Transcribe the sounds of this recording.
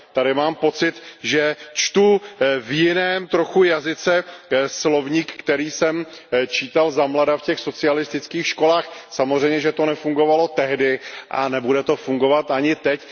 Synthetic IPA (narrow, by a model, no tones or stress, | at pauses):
t̪aɾɪmaːmpo̞t͡sɪt̪ʒɛt͡ʃt̪uvjɪnɛːmt̪ɾo̞xujazɪt͡sɛslo̞vɲiːkːt̪ɛɾiːsɛmt͡ʃiːt̪alzamladafcɛxso̞t͡sɪalɪst̪ɪt͡skiːxʃko̞laːxsamo̞zrɛjmɲɛʒɛt̪o̞nɛfuŋɡo̞valo̞t̪ɛɦdɪʔa̰nɛbudɛt̪o̞fuŋɡo̞vat̪aɲɪt̪ɛc